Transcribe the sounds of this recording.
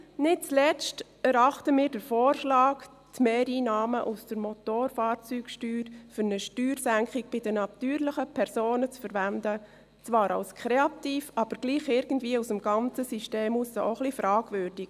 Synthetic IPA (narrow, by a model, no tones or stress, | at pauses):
nɪt̚t͡slɛt͡st | ɛɾɑχtəmɪːɾdəɾfoːrʃlɑːk | tmeːɾiːnɑːməʔusd̥əɾmot̪oːɾfɑːrt͡syːkʃtyːɾfʏɾnəʃtyːɾsæŋkχɪk̚b̥ɪdənɑt̪yːɾlɪχəpʰɛɾsoːnət͡sfəɾʋændə | t͡svɑːɾɑ̰lskʰʁɾeɑt̪iːfɑb̥əɾɡ̥liːχɪɾɡ̥ən̩dviːəusəmɡ̥ɑnt͡səsyʃteːmusəʔoχlifɾɑːɡ̥vøɾd̥ɪɡ